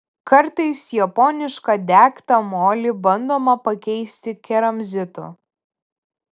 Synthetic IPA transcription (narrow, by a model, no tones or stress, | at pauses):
kɐɾt̪ɐɪsjɐpɔnʲɪʃkɐd̪ʲæːkt̪ɐmoːlʲɪbɐnd̪oːmɐpɐkʲɛɪsʲt̪ʲɪkʲɛɾɐmʲzʲɪt̪ʊ̰